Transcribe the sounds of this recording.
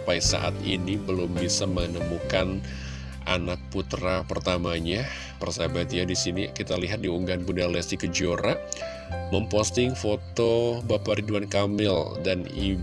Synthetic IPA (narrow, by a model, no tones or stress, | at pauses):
paisa̰ʔa̰t̪ḭnibəlʊmbisamənəmukan | ʔa̰nak̚put̪ɾapərt̪amaɲa | pərsabat̪iadisinikit̪aliɦat̪̚diuŋɡanbunalɛsikəd͡ʒoɾa | məmpɔst̪ɪŋfot̪obapaɾiduankamɪldanḭ